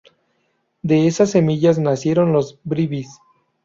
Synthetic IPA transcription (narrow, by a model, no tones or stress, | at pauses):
d̪e̞esasːe̞miʝaznasje̞ɾo̞nlo̞zbɾiβis